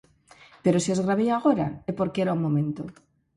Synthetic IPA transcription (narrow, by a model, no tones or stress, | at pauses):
pe̞ɾo̞siozɣɾaβiaɣ̞o̞ɾa̰epo̞ɾkeeɾaumːõ̞mẽ̞nt̪o